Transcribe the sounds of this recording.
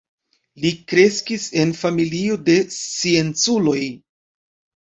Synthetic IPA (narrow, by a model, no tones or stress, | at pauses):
likɾe̞skise̞nfamilio̞de̞t͡sie̞nt͡sulo̞j